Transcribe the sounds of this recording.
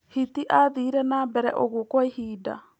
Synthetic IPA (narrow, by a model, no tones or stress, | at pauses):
hit̪iʔaðiɾenaːbeɾɛ̰ʔoɡokoihiːda̰